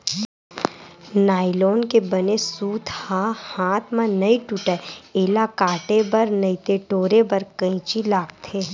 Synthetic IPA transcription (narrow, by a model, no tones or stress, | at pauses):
naːɪloːnkebɐnesuːt̪hahaːt̪ʰmãnɐiʈuʈɛeːlakaːʈebɐɾnɐit̪eʈoːɾebɐɾkə̃ĩt͡ʃilaːk̚t̪ʰeː